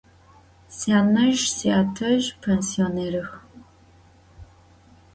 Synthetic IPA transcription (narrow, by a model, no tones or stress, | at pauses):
saːnɐʒsiaːtʰɐʒpʰensioneːɾɨx